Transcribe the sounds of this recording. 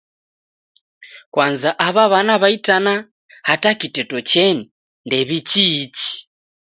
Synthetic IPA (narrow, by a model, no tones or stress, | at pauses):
kwanzaʔaβaβanaβaitana | hatakitɛtɔt͡ʃɛni | ndɛβit͡ʃiːt͡ʃi̥